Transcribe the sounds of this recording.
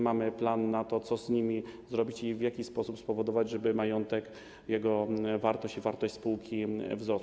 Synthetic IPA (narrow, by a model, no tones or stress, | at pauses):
mamɘplanːat̪ɔt̪sɔzɲimʲizɾɔbʲit͡ɕivʲjakʲispɔsupspɔvɔd̪ɔvad͡ʑʐɛbɘmajɔnt̪ɛk | jɛɡɔvaɾt̪ɔɕt͡ɕivaɾt̪ɔɕt͡ɕʲspuwkʲivzɾɔs